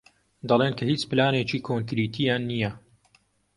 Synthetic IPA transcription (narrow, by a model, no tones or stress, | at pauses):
d̪ɑlˠeːnkʰɐhiːt͡ʃpɨlaːneːt͡ʃiːkʰoŋkɾiːt̪ʰijaːnːijɐ